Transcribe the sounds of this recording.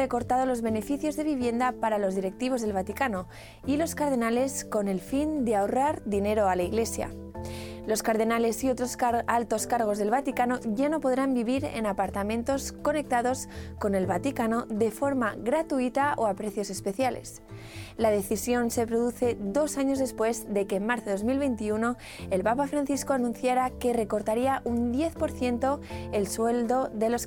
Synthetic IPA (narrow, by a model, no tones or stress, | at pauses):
re̞ko̞ɾt̪að̞o̞lo̞zβe̞ne̞fiθjo̞zðe̞β̞iβje̞nd̪apaɾalo̞zðiɾe̞k̚t̪iβ̞o̞zðe̞lβ̞at̪ikano̞ | ilo̞skaɾð̞e̞nale̞sko̞ne̞lfind̪eaoraɾd̪ine̞ɾo̞alaiɣle̞sja̰ | lo̞skaɾðe̞nale̞sio̞t̪ɾosalt̪o̞skaɾɣ̞o̞zðe̞lβat̪ikano̞ʝano̞po̞ðɾambiβ̞iɾe̞̰napaɾt̪amẽ̞nt̪o̞sko̞ne̞k̚t̪aðo̞sko̞ne̞lβat̪ikano̞ðe̞fo̞ɾmaɣɾat̪uit̪aʔoapɾe̞θjo̞se̞spe̞θjale̞̰s | lað̞e̞θisjo̞nse̞pɾo̞ðuθe̞ðo̞saɲo̞zðe̞spwe̞zðe̞kemaɾθoðo̞zmilβe̞jnt̪iuno̞ | e̞lpapafɾanθiskoanũn̟θjaɾake̞re̞ko̞ɾt̪aɾiaʔund̪je̞θpo̞ɾθje̞nt̪o̞e̞lswe̞ld̪o̞ðe̞lo̞s